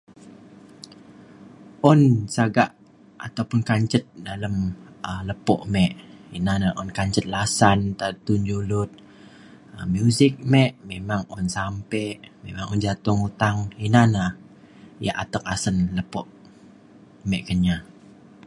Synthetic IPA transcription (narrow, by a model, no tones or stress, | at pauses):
ʔɔnsaɡaʔ | a̰t̪awpʊnkaɲt͡ʃət̪̚daləmələpɔ̰ʔmɛʔinanaʔɔnkaɲt͡ʃət̪̚lasant̪at̪und͡ʒulʊt̪̚ | əmjuzɪk̚mɛʔmemaŋɔnsampɛʔmemaŋɔnd͡ʒat̪ʊŋut̪aŋinana | jaʔat̪ək̚asənləpɔʔ | mɛʔkənɲa